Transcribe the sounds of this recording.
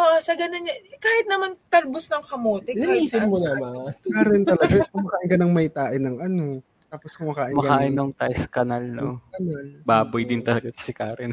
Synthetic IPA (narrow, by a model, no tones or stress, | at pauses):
ʔoʔsɐɡɐnonɲɐkaːhɪt̪̚nɐmant̪ɐɾbosnɐŋkɐmoːt̪ɛiːsɪnmonɐmakaːɾɛnt̪ɐlɐɡakʊmɐkaːʔɪnkɐnɐŋmɐjt̪aːʔɪnɐŋʔɐno̞ | t̪aːposkʊŋmɐkaːʔɪmɐkɐkaːʔɪnoŋt̪aʔskɐnalnokɐnalbaːbʊjd̪ɪnt̪ɐlɐɡakɐ̥sɪkaːɾɛn